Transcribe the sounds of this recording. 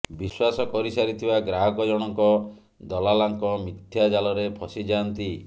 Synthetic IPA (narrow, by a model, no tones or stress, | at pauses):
biswasɔkɔɾisaɾit̪ʰibaɡɾaɦɔkɔd͡ʒɔɽ̃ɔŋkɔ | d̪ɔlalaŋkɔmit̪ʰjad͡ʒalɔɾepʰɔsid͡ʒant̪i